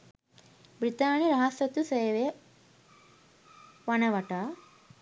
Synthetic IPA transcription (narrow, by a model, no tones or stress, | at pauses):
bɾit̪aːnjiɾɐɦɐsɐt̪usɐjʋe | ʋɐnɐʋɐʈa